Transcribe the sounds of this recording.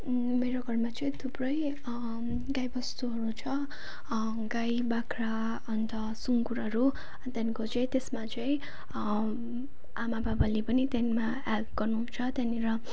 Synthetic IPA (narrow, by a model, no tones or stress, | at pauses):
meɾoɡʱʌrmat͡sʌĩt̪ʰubrʌj | ɡajbʌst̪uɦʌɾut͡sʰʌ | ɡajbakɾa | ʌnt̪ʌsuŋkuɾʌɾu | t̪jankot͡sʌj̃t̪esmat͡sʌj̃ | amababalepʌnit̪janma | a | ɡ̥ʌrnut͡sʰʌt̪janiɾʌ